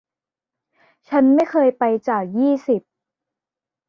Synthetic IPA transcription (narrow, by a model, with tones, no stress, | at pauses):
t͡ɕʰa˦˥nma˥˩jkʰɤː˧jpa˧jt͡ɕaː˨˩k̚jiː˥˩si˨˩p̚